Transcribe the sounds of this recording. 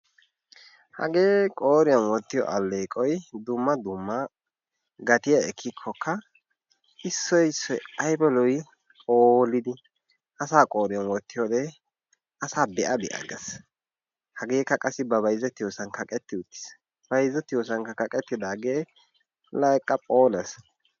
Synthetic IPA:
hɐ̰ɡeːkʼoːɾɪjɐnwɔt̪ːɪjɔ̰ʔɐlːeːkʼɔjd̪ʊmːɐd̪ʊmːɐ | ɡɐt̪ɪjɐɛkʰːɪkʰːɔkʰːɐ | ɪsːɔjsɔɐjbɛlɔjʼ | oːlːɪd̪ɪ | ʔɐsaːkʼoːɾɪjɐnwɔt̪ːɪjod̪ɛ | ʔɐsaːbɛʔɐbɛʔɐ̰ɡɛ̰s | hɐɡeːkːɐkʼɐsːɪbɐbɐjzːɛt̪ːɪjoːsɐnkɐkʼɛt̪ːɪʊt̪ːɪ̥s | b̥ɐjzːɛt̪ɪjosɐnkɐkɐkʼɛt̪ːɪd̪aːɡeː | lɐjkʼːɐpʼoːlɐs

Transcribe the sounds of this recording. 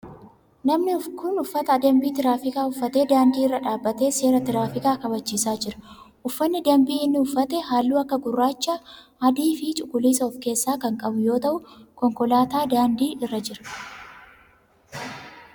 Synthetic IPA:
nɐmnɪʊkʰʊnʊfːɐt̪ɐːd̪embiːt̪ɪɾaːfɪkaːʊfːɐt̪e̞ːd̪aːnd̪iːɪrːɐᶑaːbːɐt̪e̞ːse̞ːɾɐt̪ɪɾaːfɪkaːkɐbɐt͡ʃːiːsaːd͡ʒɪɾɐ̥ | ʔʊfːɐnːɪd̪ɐmbiːɪnːɪʊfːɐt̪ɛɦaːlːuːɐkːɐɡʊrːaːt͡ʃːaːʔɐd̪iːfɪt͡ʃʼʊkːʊliːsɐɔfke̞ːsːaːkɐŋkʼɐbʊjo̞ːt̪ɐʔʊkɔŋkɔlaːt̪aːd̪aːnd̪iːʔɪrːɐd͡ʒɪɾɐ̥

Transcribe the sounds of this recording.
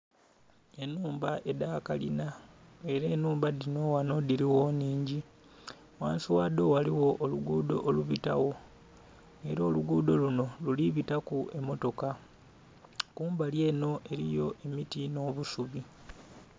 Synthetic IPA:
e̞nuːmbaʔe̞dakalina | e̞ɾeːnuːmbadino̞wanodiɾiwoniːɲɟi | waːnsiwad̪o̞waliwo̞ʔːluɡuːdo̞ʔːluβita̰wo̞ | e̞ɾoːluɡuːdo̞luno̞luliβitakue̞mo̞to̞ka | kuːmbalje̞ːno̞ʔe̞ɾijo̞ʔe̞mitino̞ːβusuβi

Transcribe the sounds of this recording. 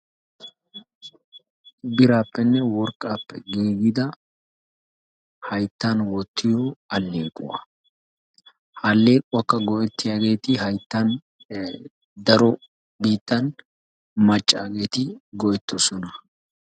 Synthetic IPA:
bɪɾaːpːɛnːɛwɔɾkʼːaːpːɛɡiːɡɪd̪ɐ | hɐjt̪ːɐnwɔt̪ːɪjɔɐlːeːkʼːʊ̰wɐ̰ | hɐlːe̞ːkʼʊwɐkːɐɡɔʔɛt̪ːɪjaːɡe̞ːt̪ɪhɐjt̪ːɐn | d̪ɐɾɔ | biːt̪ːɐn | mɐt͡ʃʼːa̰ːɡe̞ːt̪ɪɡɔʔɛt̪ːɔsɔnɐ

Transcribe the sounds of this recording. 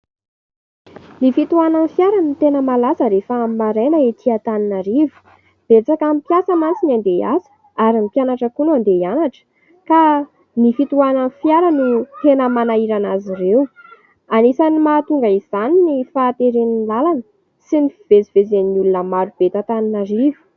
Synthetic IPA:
nifit̪uananfjaɾanit̪enəmalasəɾefəmmaɾenəet̪ʰiat̪aninaɾivu̥ | b̥et͡sakampjasəmant͡sinand̪ea̰sə̥ | aɾimipjanaʈ͡ʂəkunuand̪eanaʈ͡ʂə̥ | ka | nifit̪uananfjaɾanit̪enəmanaiɾanaziɾew | anesanimaːt̪uŋɡaizaninifaːt̪eɾeninlalanə | sinifiv̥eziv̥ezeniulunəmaɾub̥et̪at̪aninaɾivu̥

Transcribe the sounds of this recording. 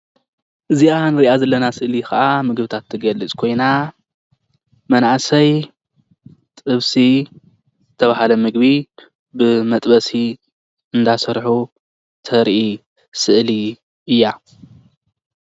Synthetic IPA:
ʔɨziʔanɨɾiʔazɐlːɐnasɨʔlikɐʔamɨɡβɨt̪ʰat̪ʰːɨɡɐlːɨt͡sʼkʰo̞jna | mɐnaʕasɐj | t̪ʼɨβsi | zɨt̪ʰːɐβahalɐmɨɡbi | bɨmɐt̪ʼbɐsi | ɨnd̪asɐɾħu | t̪ʰɐɾʔi | sɨʔli | ɨjːa

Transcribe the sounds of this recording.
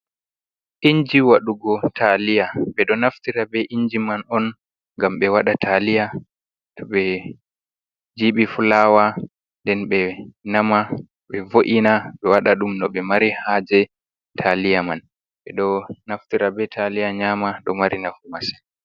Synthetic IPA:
ʔiɲd͡ʒiwaɗuɡɔtʰalijaɓɛɗɔnaftiɾabɛʔiɲd͡ʒimanɔn | ŋɡamɓɛwaɗatʰalija | tʰɔɓɛ | d͡ʒiɓifulawa | ndɛnɓɛnama | ɓɛvoʔinaɓɛwaɗaɗumnɔɓɛmaɾihaːd͡ʒɛ | tʰalijaman | ɓɛɗɔnaftiɾabɛtʰalijaɲamaɗɔmaɾinafumasɛ

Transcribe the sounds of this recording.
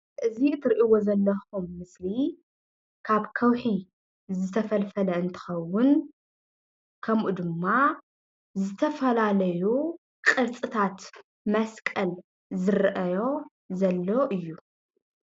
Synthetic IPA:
ʔɨziɨt̪ʰɨɾʔiwozɐlːɐxumːɨsli | kʰaβkʰɐwħi | zɨt̪ʰɐfɐlfɐlɐɨnt̪ʰɨ̥xɐwʊn | kʰɐmʔud̪ɨmːa | zɨt̪ʰɐfɐlalɐju | kʼɨɾt͡sʼɨt̪ʰat̪ | mɐskʼɐl | zɨɾʔɐjo̞ | zɐlːoʔɨjːu

